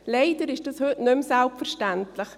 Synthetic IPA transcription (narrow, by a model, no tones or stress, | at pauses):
leɪd̥əɾɪʃd̥ɑshʏtnʏmsɛlpfəɾʃtɛntləx